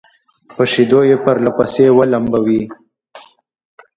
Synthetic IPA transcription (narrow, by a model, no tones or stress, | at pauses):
pəʂid̪ojepəɾlapasewalambawi